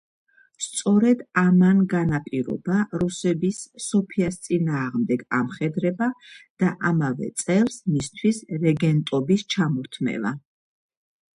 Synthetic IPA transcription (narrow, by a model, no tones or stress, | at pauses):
st̪sʼɔɾɛd̪amanɡanapʼiɾɔ̰baɾusɛbisːɔpʰiast̪sʼinaːʁmd̪ɛɡamχɛd̪ɾɛbad̪̥aʔamavɛ̰t̪sʼɛlˠsmist̪ʰwisɾɛɡɛnt̪ʼɔbist͡ʃʰamɔɾt̪ʰmɛ̰va̰